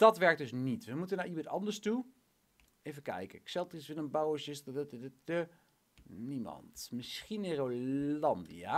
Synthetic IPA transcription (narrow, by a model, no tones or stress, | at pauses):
d̥ɑtʋɛɹk̚dɵsnitʋəmutənaːɹimɑntɑ̰ndəɹstu | ejvəkɛ̰jkəksɛlˠtisʋɪnənbawoʃɪstə | nimɑ̰ntmɪsχinɪrolɑndḭa̰